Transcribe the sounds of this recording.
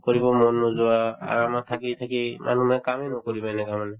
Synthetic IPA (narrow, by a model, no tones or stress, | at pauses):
kɔɹibɔmɔnːɔzɔwaa̰ɹamat̪ʰakitʰakimʔa̰numɛkamɛnɔkɔɹipajnɛkamanɛ